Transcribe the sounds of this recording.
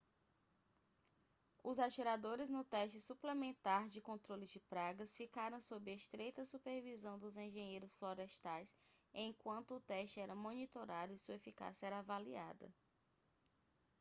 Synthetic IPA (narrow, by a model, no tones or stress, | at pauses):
ʊzat͡ʃiɾad̪oɾɪznʊt̪ɛʃt͡ʃɪsuplemẽnt̪aɾd͡ʒɪkõnt̪ɾolɪzd͡ʒɪpɾaɡɐsfikaɾɐ̃w̃sobɾɪɐeʃt̪ɾejt̪ɐsupeɾvizɐ̃w̃d̪ʊzẽʒẽɲejɾʊsfloɾɛʃt̪ajsẽj̃kwɐ̃nt̪ʊːt̪ɛʃt͡ʃɪɛɾɐmõnit̪oɾad̪ʊisuɐefika̰sijɐɛɾɐavalia̰d̪ɐ̰